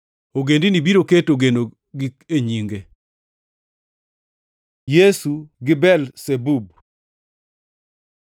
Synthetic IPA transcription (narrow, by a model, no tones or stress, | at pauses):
oɡendinibiɾoketoɡeno | ɡikeɲiŋɡe | jesuɡɪbɛlsebub̚